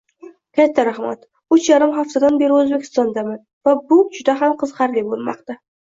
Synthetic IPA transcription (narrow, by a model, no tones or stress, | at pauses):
kʲʰat̪ʰːaɾaχma̰t̪ | ʊt͡ʃjaɾɪmɦaft̪ad̪anbe̞ɾɪɵzbe̞kʲʰɪ̥st̪ɒnd̪amɪn | vabʊd͡ʒʊd̪aɦamqʰɨzqɑɾlɪbolˠmɒ̰qt̪a